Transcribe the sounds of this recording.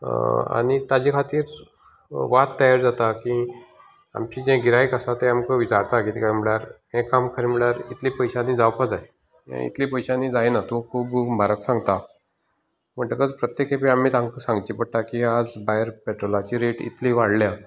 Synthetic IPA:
a̰nit̪ad͡ʑikʰat̪iːɾ | ʋat̪ːəjaɾd͡zat̪aki | a̰mt͡ɕid͡ʑẽɡiɾajkəsat̪eamkəʋit͡ɕaɾt̪akit̪ikam̤iɭjaɾɦẽkːamkʰəɾim̤iɭjaɾit̪lipəjɕanːiːd͡zawpad͡zaj | ɦḛ̃ḭt̪lipəjɕanːid͡zajnat̪õkʰuːbbʱaɾəksãŋɡt̪a | m̤əɳʈəkəd͡zpɾət̪jekʰẽpiamːiːt̪ãŋkəsãŋɡt͡ɕipəʈakiad͡zbajəɾpeʈɾolat͡ɕiɾeʈḭt̪liʋaɽlja

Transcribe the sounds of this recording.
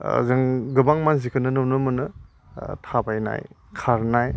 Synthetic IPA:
zɯŋɡɯbaŋmanzikʰɯnɯnɯnɯmɯnɯ | tʰabajna̰j | kʰaɾnaj

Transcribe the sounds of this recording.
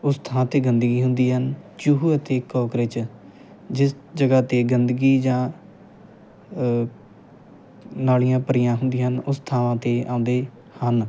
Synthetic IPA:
ʊst̪ʰaãːt̪eːɡənd̪əɡiːɦʊnd̪iːɦənt͡ʃuɦuət̪eːkɔːkɾet͡ʃ | d͡ʒɪs | d͡ʒəɡaːt̪eːɡənd̪əɡiːd͡ʒãː | naːlijãːpəɾɪjãːɦʊnd̪iːɦənʊst̪ʰaːʋãːt̪eːʔãːnd̪eː | hən

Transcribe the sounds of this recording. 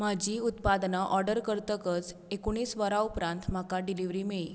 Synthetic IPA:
m̤ad͡ʑiːut̪pad̪naʔɔɾɖəɾkəɾt̪əkət͡sekoɽ̃iːsʋəɾaupɾãnt̪m̤akaɖiliʋɾiːmeɭi

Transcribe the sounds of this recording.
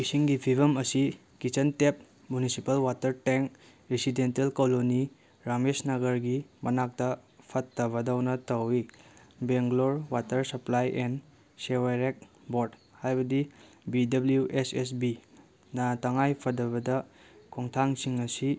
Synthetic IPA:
kisiŋɡipʰibɐmɐsi | kit͡ʃɐntep̚ | munisipɐlwatɐɾteŋk | ɾisidentelkoloni | ɾamesnɐɡɐɾɡimɐnak̚tɐpʰɐtːɐβɐdawnɐtɐwibeŋɡloɾwatɐɾsɐplajʔen | seweɾek̚ | boɾdhajbɐdi | bidɐbljuʔeses̬bi | nɐtɐŋajpʰɐdɐβɐdɐ | kʰoŋtʰaŋsiŋɐsi

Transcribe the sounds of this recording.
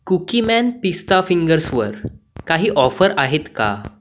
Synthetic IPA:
kukimænpist̪afiŋɡəɾsʋəɾ | kaɦiːʔɔfəɾaɦet̪ka̰

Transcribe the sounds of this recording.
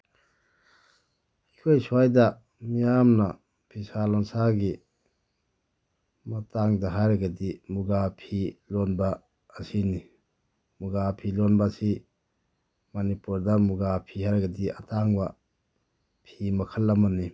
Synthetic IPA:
ikʰojsuajdɐ | mijamnɐ | pʰisalɔnsaɡi | mɐtʰaŋdɐɦajɾaɡadimuɡapʰilonbɐː | sini | muɡapʰilonbasi | manipuɾdɐmuɡapʰihajɾɡɐdiatʰaŋbɐ | pʰimɐkʰəlːɐmani

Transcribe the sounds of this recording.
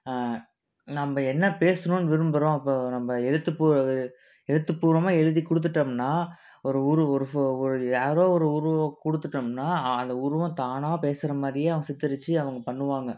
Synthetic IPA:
nɐmːɐɛnːɐpeːsɐnõːnɯʋɪɾɯmbɯɾõːɐpːoːnɐmbɐɛɻɯt̪ːɯpːu | ɛɻɯt̪ːɯpːuːɾɐmaːɛɻɯðikʊɽɯt̪̬ːɯʈːɐmnːaː | ɔɾɯʊɾɯɔɾɯfɔɾɯjaːɾoːɔɾɯʊɾɯʋɐ̃kʊɽɯt̪ːɯʈːɐmnːaːɐnd̪ɐʊɾɯʋɐ̃t̪aːnaːpeːsɪɾɐmaːd̪ɾɪjeːɐʋɐŋɡɐsɪt̪ːɪɾɯt͡ʃːɯɐʋɐŋɡɐpɐɳːɯʋaːŋɡɐ

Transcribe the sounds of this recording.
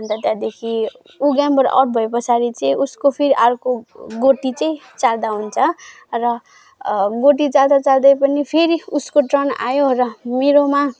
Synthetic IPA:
bʌnt̪ʌt̪jad̪ekʰi | uɡambʌɾʔa̰ʈ̚bʱʌjpʌsaɾit͡sʌĩuskopʰeɾiʔaɾkoɡoʈit͡sʌĩ | t͡sald̪aɦunt͡sʰʌ | rʌ | ɡoʈit͡sald̪at͡sald̪ʌjpʌnipʰeɾiuskoʈrʌna̰jorʌmeɾoma

